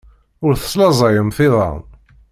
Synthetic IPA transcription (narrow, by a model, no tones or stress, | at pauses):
ʊɾθə̥sˤlɑzˤɑjəmθɪðˤɑ̰n